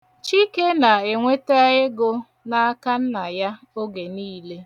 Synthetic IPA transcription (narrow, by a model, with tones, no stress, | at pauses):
t͡ʃi˦ke˦na˨e˨ŋʷe˦te˦a˦ɣe˦ɡʊ˦ | na˦ka˦n̩˦na˨ja˦ | o˦ɡe˨niː˦le˦